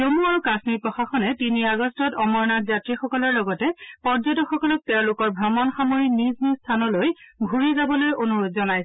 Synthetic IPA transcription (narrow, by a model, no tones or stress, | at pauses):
zomuaɹukasnipɹɔxaxɔnɛtiniaɡɔstɔtɔmɔɹnatzatɹixɔkɔlɔɹlɔɡɔtɛpɔzɔtɔxɔkɔlɔk̚tɛʊ̃lʊkɔɹbʱɹamɔnxamoɹiniznizstʰanɔlojɡʱuɹizabɔlojonuɹodzɔnajs